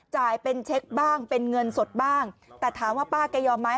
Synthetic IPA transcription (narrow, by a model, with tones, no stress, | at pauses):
t͡ɕaː˨˩jpe˧nt͡ɕʰe˦˥k̚baː˥˩ŋpe˧nŋɤ˧nso˨˩t̪̚baː˥˩ŋt̪ɛː˨˩t̪ʰaː˩˦mwaː˥˩paː˥˩ka˧jɔː˧mːaː˦˥j